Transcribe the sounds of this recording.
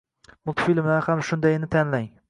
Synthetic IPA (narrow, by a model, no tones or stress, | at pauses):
mʊlˠt̪ʰfilmahamʃʊnd̪ajnɪt̪ʰanlaŋ